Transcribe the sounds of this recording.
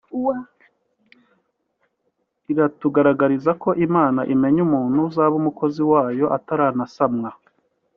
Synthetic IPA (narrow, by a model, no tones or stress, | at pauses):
wa | iɾatuɡaɾaɡaɾizako̞ʔimaːnaʔime̞ɲumuːn̥huzaβumuko̞ziwaːjo̞ʔataɾaːnasamŋa